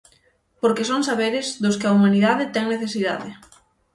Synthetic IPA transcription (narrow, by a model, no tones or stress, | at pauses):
poɾkɪsoŋsaβeɾɪzðʊskɪaumaniðaðɪt̪ɛŋneθesiða̰ðɪ